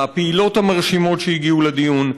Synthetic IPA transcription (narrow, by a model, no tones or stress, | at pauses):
apeilo̞thamaʁʃimo̞tʃejiɡiuled̪ijun